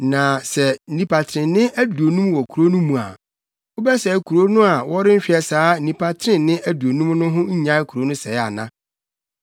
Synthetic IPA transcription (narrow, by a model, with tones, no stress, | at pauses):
nã˨sɛ˨˦nĩ˦pʰa˨tʰɪ˨ɾɪ̃˨n˦nɪ̃˦ʔæ˦du˨o˨nũ˦m˦wɔ˨kʰu˨ɾo˦nũ˦mũ˨a̰˨ | o˦bɛ˦sɛ˨kʰu˨ɾo˦nʊ̃˦a˨wɔ˦ɾɪ˦m̩˦ɕᶣɛ˨saː˨˦n̩˦nĩ˨pʰa˦tʰɾɪ̃˦˨nnɪ̃˦ʔæ˦du˨o˨nũ˦mnʊ̃˦ɦʊ̃˦ɲ˦ɲã˦kʰu˨ɾo˦nʊ̃˦sɛ˨˦a˨nã˦